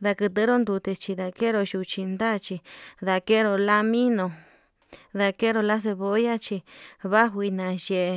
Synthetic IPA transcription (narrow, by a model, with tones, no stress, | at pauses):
ða˧kɨ˧t̪ɨ˧˦ɾo˦nd̪u˧t̪e˧t͡ʃi˧ða˧ke˦ɾo˧ʃu˧t͡ʃi˧nd̪a˦˧t͡ʃi˧ða˧ke˦ɾo˧la˦mĩ˦nõ˧ | ða˧ke˦ɾo˧la˦s̬e˧βo˧˦ja˦t͡ʃi˧βa˦ɦʷi˧nã˨je˧˨e˧